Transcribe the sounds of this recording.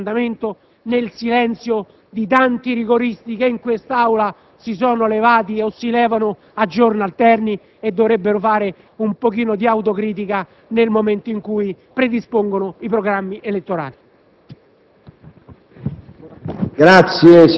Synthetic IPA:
nd̪ament̪o | nelsilɛnt̪sjo | d̪it̪̬ant̪iriɡoɾist̪ikeiŋkwest̪aawla | sis̬ɔːnolevaːt̪̬iosːilɛːvanʊ | ad͡ʒːornalt̪ɛrni | ed̪ːoɾebːeɾʊfaːɾe | umpok̟iːnod̪iawt̪̬okɾiːt̪̬ika | nelmoment̪oiŋkuːi | pɾed̪ispoŋɡonʊipɾoɡɾamːiʔelet̪ːoɾa̰ːli | ɡɾat̪sje

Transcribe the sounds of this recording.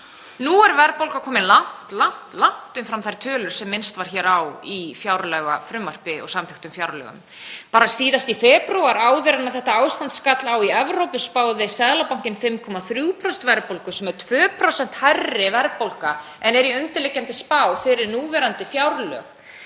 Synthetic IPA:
nuɛɾvɛɾpowlkakʰɔːmɪnlan̥t̪lan̥t̪lan̥t̪ʏmfɾamθajɾ̥t̪ʰœːlʏɾ̥sɛmːɪnst̪vaɾ̥çɛːɾawifjawɾlœɣa̰fɾʏmːar̥pɪɔ̰ɣsamt̪ʰɪxt̪ʏmfjawɾlœ̰ɣʏ̰m | paːɾasiːðast̪ifɛːpɾuwaɾaːwðvɪɾanːaθɛht̪aaːwst̪ant̪skat̪lawiɛvɾowpʏspaːwðɪsɛðlapawŋ̥cɪnfɪmkʰɔmaθɾjuːpʰɾɔsn̥t̪vɛɾpolkʏsɛmɛɾt̪ʰvœːpʰɾɔsɛn̥t̪harːɪvɛɾpolka | ɛnɛɾiœŋt̪ɪlɪcːamt̪ɪspaːwfɪɾɪɾnuːvɛɾant̪ɪfjawɾlœ̰ːx

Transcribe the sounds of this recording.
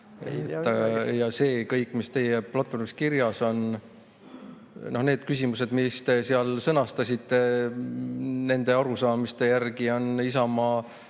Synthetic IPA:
ḛjet̪ːɑjɑse̞ːkɤjkːˑmist̪e̞jeplɑt̪ːˑfo̞rmiskirjɑso̞n | no̞hne̞ːd̪̥̚kysʲimuse̞d̪̥mist̪e̞siɑlsɤnɑst̪ɑsʲit̪ːˑe̞ | ne̞nd̪e̞ɑɾusɑːmist̪e̞jærɡio̞nisɑmɑː

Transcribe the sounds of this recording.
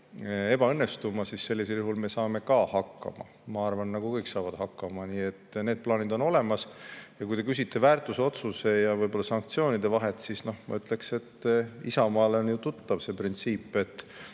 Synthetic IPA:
e̞b̥ɑɤnːe̞st̪umɑsisːe̞lːis̬eljuhɦulme̞sɑːme̞kɑːhɑkːɑ̰mɑ̰ | mɑɑrvɑnːɑɡukɤjksɑːvɑd̪̥hɑkːɑmɑniːe̞t̪ːne̞ːd̪̚plɑːnid̪o̞no̞le̞mɑsjɑkujt̪e̞kys̬ʲit̪ːe̞væːrt̪ˑuseo̞t̪suse̞jɑvɤjb̥o̞lːɑsɑŋk̚t̪sio̞ːnid̪e̞vɑɦe̞t̪sisno̞hmɑ̰yt̪ˑlekse̞t̪ːisɑmɑːleonjut̪ut̪ːɑvse̞ːprint̪siːpːe̞t̪ː

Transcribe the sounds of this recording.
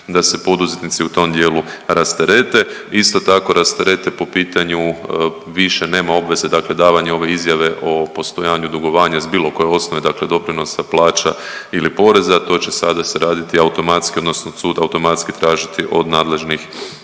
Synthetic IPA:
d̪ase̞po̞d̪uze̞t̪nit̪siut̪o̞md̪je̞ːluɾast̪e̞ɾe̞t̪e̞ist̪o̞t̪ako̞ɾast̪e̞ɾe̞t̪e̞po̞piːt̪aɲu | ʋiʃe̞ne̞ːmao̞bʋe̞ze̞d̪akle̞d̪aːʋaɲeo̞ʋe̞izjaʋe̞ʔo̞po̞st̪o̞jaːɲud̪uɡo̞ʋaːɲazbiːlo̞ko̞je̞o̞sno̞ʋe̞d̪akle̞d̪o̞pɾino̞saplˠaːt͡ʃa | ilipo̞ɾe̞zat̪o̞ːt͡ɕe̞sad̪aseɾaːd̪it̪iaut̪o̞mat̪skio̞d̪no̞snosuːd̪aut̪o̞mat̪skit̪ɾaːʒit̪iʔo̞d̪naːd̪le̞ʒnix

